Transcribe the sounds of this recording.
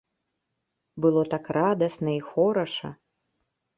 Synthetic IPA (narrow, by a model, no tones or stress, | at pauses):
bɨlˠɔt̪akrad̪ɐsnɐixɔɾɐʂɐ̰